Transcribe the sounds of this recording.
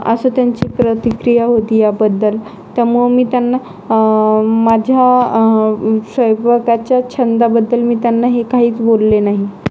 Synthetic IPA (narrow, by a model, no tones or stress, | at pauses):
əsəːt̪jaɲt͡ɕiːpɾət̪ikɾijaɦot̪iːjabəd̪ːəl | t̪əmumiːt̪janːa | mad͡ʑʱja | səjʋəkat͡ɕjat͡ɕʰənd̪abəd̪ːəlmiːt̪janːaɦekaɦiːt͡sbolːenaɦi